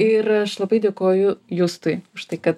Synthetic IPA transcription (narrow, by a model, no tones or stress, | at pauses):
ɪɾɐʃlˠɐbɐɪd̪ʲeːkoːjʊjʊːst̪ʊɪʊʃt̪ɐɪkɐt̪